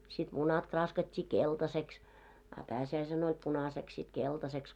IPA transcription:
sit munɑt krɑːskɑtʲːiː keltɑseks ɑ pæːsiæisen olʲ punɑseks sit keltɑseks

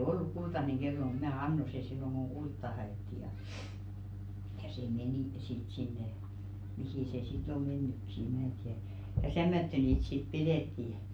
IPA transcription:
o olːuk kultɑneŋ ɡ̊elːo mut mæː ɑnːo se silːoŋ ɡ̊oŋ ɡ̊ultːɑ hɑeˑtːi jɑ jɑ se meniˑ sit sinːe mihiˑ se sit o menːykːi e mæː tiær̥ jɑ tæmːætːø niːt sit pideˑtːi

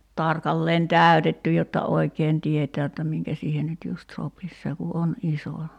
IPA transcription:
tɑrkɑlːeːn tæˑy̞tetːy jotːɑ oi̞keːn tietæː jotːɑ miŋkæ siːhen nyt just sopis se ku ʔon iso

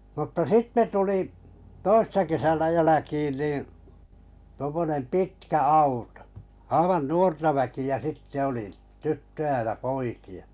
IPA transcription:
m̩tːɑ sitːe tuli toisːɑ kesænæ jælækiːn niː tŭŏmːonem pitkæ ɑuto̥ ɑiʋɑn nuortɑ ʋækiæ sitːe oli tytːøj̆æ jɑ poiki̥ɑ̥

